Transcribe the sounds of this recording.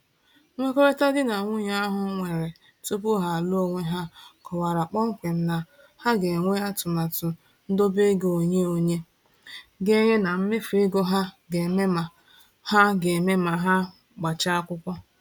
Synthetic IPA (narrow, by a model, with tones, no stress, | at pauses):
ŋʷe˦ko˦ɾe˦ta˦dɪ˦na˨ŋʷu˦ɲa˦a˦ɦʊ˦ŋʷe˨ɾe˨ | tu˦p̬ʊ˦ɦa˨lo˦ŋʷe˦ɦa˦kɔ˨wa˨ɾa˨k͡pɔ˦ŋ̩˦kʷe˨m̩˦na˨ | ha˦ɡe˨ŋʷe˦a˦tʊ˨ma˨tʊ˨ | n̩˦do˦be˦ɡo˨ɲe˦o˨ɲe˦ | ɡe˦ɲe˦na˨m̩˦mɪ˦fɪ˦ɡo˦ɦa˦ɡe˨me˦ma˨ | ha˦ɡe˨me˦ma˨ɦa˦ | ɡ͡ba˨t͡ʃa˦a˦kʷʊ˦kʷɔ˦